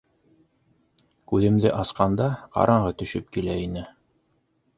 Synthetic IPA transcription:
kʉðɘ̆md̪ɘʔɑsqɑnd̪ɑqɑ̰ɾʔɑɴʁɤt̪ɵ̆ʃɵp̚kilæinɘ

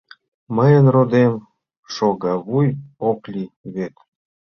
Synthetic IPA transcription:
məjənrod̪em | ʃoɣɑβujoklʲiβet̪

